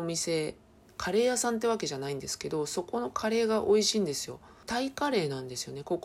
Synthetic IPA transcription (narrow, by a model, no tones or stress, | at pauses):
mʲise̞ | kʰaɾe̞ːjasãnt̪̬ːe̞βake̞ʑanaĩnd̪e̞sɨ̥ke̞d̪o̞so̞ko̞no̞kʰaɾe̞ːɡaʔo̞iɕiːnd̪e̞sɨjo̞t̪aikaɾe̞ːnãnd̪e̞sɨjo̞ne̞ko̞k